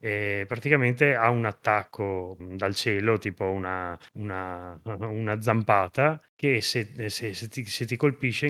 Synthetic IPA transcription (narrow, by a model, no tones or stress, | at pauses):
ɛpɾat̪ikament̪eaunat̪ːakʰːod̪alt͡ʃɛːlot̪iːpounauna | unad̪zampaːt̪akeseseset̪iset̪ikolpiʃːe